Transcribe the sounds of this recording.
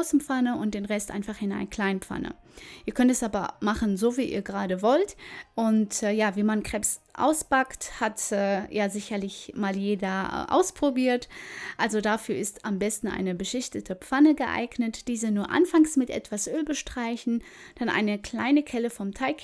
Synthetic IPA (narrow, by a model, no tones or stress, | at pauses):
ʊsm̩pp͡fanəʊnt̚d̥eːnʁɛstʔa̰ɪnfaχhɪnaɪnkʰl̥aɪnpp͡fa̰nə̰ | ʔiːɐkʰœntɛsʔaːbɐmaχn̩zoːviːʔḭːɐɡəʁaːdəvɔltʔʊntːjaːviːmankʁ̥ɛpsʔa̰ʊspakthatɛːjaːzɪçɐlɪçmaːljeːdɐ̰ʔa̰ʊspʁ̥obiːɐtʔalzodafyːɐɪstambɛstn̩ʔa̰ɪnəbəʃɪçtətʰəpp͡fanəɡəʔa̰ɪɡnətd̥iːzənuːɐʔa̰nfaŋsmɪtʔɛ̰tv̥asʔøːlbəʃtʁ̥aɪçn̩ | d̥anʔa̰ɪnəkl̥a̰ɪnəkʰɛləfɔmtʰaɪk